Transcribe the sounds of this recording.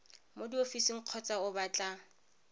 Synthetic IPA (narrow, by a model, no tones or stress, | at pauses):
modiofisiŋ̩q͡χʰɔt͡sʼaʊbat͡ɬʼa